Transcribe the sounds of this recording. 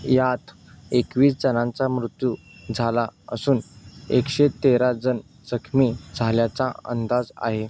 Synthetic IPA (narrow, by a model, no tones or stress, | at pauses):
jat̪ | ekʋiːsd͡zənãnt͡samɾut̪ju | d͡zʱalaə̰suːnekɕet̪eɾad͡zən | d͡zəkʰmiːd͡zʱaljat͡saə̰nd̪ad͡za̰ɦe